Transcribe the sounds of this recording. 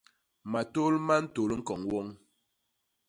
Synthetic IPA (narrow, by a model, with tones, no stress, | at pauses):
ma˨to˦lma˦n̩˦to˨lŋ̩˦kɔ˨ŋwɔ˦ŋ